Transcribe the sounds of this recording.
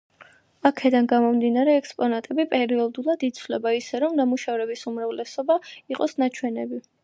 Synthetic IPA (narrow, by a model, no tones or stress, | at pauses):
akʰɛd̪anɡamɔmd̪inaɾɛːkspʼɔnat̪ʼɛbipʼɛɾiɔd̪ulˠad̪it̪sʰvlɛbaisɛɾɔmnamuʃavɾɛbisumɾavlɛsɔbaiqʼɔsnat͡ʃʰwɛnɛbi